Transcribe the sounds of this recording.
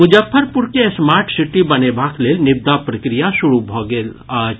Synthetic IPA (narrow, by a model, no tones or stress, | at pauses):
mʊd͡ʒəfʰːəɾpʊɾkesmaːɾʈsɪʈibɐnebʱaːkleːlnɪb̚d̪apɾɐkɾijasʊɾubʱoɡeːl